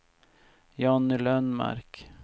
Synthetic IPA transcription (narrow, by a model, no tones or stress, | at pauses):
jɑnlœnmæ̰ɾk